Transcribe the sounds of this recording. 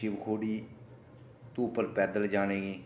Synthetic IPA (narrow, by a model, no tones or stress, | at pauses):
iːʋkʰoːɽiː | t̪uːpːəɾpɛːd̪əld͡ʒaːɽ̃eːɡiː